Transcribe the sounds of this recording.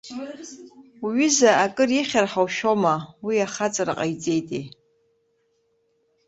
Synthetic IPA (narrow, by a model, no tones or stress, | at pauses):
ɥizaakʼɨriχʲarħawʃomawiaχat͡sʼaɾa̰qʼajd͡zʼejtʼḛj